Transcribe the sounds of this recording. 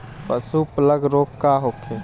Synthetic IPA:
pəsupləɡɾoːkːaɦokʰe

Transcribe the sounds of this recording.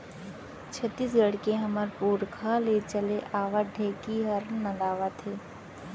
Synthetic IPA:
t͡ʃʰət̪ːiːsɡəɽkeɦɐməɾpuːɾkʰalet͡ʃəleʔaːʋaɖʱeːkiɦəɾnɐ̃laːʋat̪ʰeː

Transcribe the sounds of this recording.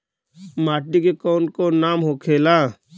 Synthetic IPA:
maːʈikekɔːnkonaːmɦoːkʰeːlaː

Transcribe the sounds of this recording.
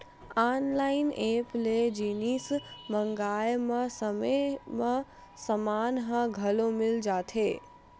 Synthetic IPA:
aːnlaɪnepled͡ʒiːnisməŋɡaːjməsəməmə | səmaːnɦə̃ɡʱɐlomɪld͡ʒaːt̪ʰeː

